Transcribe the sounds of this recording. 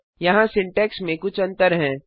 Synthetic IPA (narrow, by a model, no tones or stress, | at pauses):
jɐɦãsɪ̃ɳʈɛːksmẽkʊt͡ʃʰɐ̃nt̪əɾɦɛ̃ː